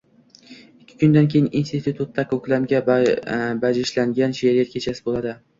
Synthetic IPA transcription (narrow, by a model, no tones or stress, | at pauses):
ɪkʲʰːɪ̥kʰʊnd̪ankʲʰejɪninst̪ɪt̪ʰut̪ʰut̪ːakʰɵkʲlamɡʲa | bad͡ʒɪʃlaŋɡʲanʃeɾijat̪̚kʲʰet͡ʃʰasɪbolˠad̪ɪ